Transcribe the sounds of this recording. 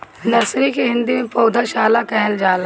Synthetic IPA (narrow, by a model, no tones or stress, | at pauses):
nɐsɾikeɦɪ̃nd̪imẽpɐːd̪ʱaʃaːlakɛɦld͡ʒaːl